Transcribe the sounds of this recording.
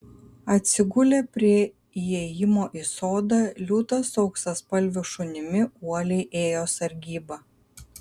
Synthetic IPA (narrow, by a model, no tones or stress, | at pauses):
ɐt̪ʲsʲɪɡʊlʲeːpʲɾʲiɛ | iɛjɪmoːʔiːsoːd̪ɑlʲuːt̪ɐsɒʊksɐspɐlʲʋʲʊʃʊnʲɪmʲɪuɔlʲɛɪʔeːjoːsɐɾʲɡʲiːbɐ